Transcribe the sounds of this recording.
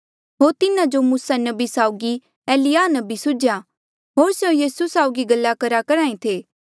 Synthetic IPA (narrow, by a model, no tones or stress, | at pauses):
ɦoːɾt̪ɪnãd͡ʒomuːsanɐbisaːʊɡi | ɛːlɪjaːnɐbisʊd͡ʒja | ɦoːɾsjõjiːsusaːʊɡiɡɐlːakɐɾakɐɾãːĩt̪ʰeː